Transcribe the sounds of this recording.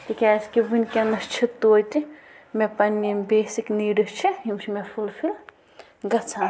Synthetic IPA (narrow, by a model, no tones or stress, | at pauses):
t̪ikʲaːskiʋinʲkʲenɐst͡ʃʰit̪oːt̪i | mepɐnːimbeːsikniːɖɨst͡ʃʰiɦimt͡ʃʰimefʰulfʰil | ɡɐt͡sʰãː